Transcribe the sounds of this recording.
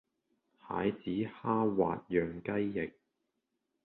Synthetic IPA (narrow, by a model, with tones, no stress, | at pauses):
ha̰ː˨˥jt͡siː˨˥haː˥wa̰ː˨t̚jœː˨ŋkɐ˥jːɪ˨k̚